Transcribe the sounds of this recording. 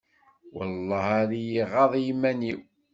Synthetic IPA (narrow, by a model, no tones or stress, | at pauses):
wɑ̰lˤːɑhaðijiʁɑðˤjimːæniw